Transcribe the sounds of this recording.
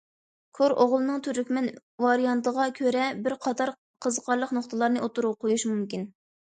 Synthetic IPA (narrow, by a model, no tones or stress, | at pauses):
kʰoɾoʁlˠɨnɨŋt̪ʰyɾykʲmɛn | vɑɾijɑnt̪əʁɑkʲʰøɾɛbɪɾqʰɑt̪ʰɑɾ | qʰəzəqʰɑɾlˠəqnoχt̪ɨlˠɑɾnɨʔot̪uɾuqʰojuʃmumkʲin